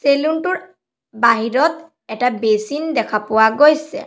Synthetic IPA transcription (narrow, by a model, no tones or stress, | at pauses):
seluntʊɹ | baɦiɹɔt | ɛtabesindɛkʰapʊwaɡojsɛ̰